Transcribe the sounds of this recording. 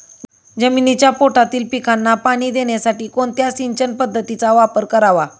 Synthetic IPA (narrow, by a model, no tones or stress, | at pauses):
d͡zəminit͡ɕjapoʈat̪iːlpikʰanːapaɽ̃iːd̪eɳjasaʈiːkoɳt̪jasiɲt͡ɕənpəd̪ʱːət̪it͡saʋapəɾkəɾaʋa